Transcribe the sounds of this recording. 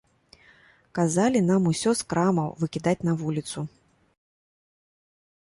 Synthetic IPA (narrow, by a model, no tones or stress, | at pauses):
kazalʲin̪amusʲɔskɾamɐwvɨkʲid̪at͡sʲnavulʲit̪su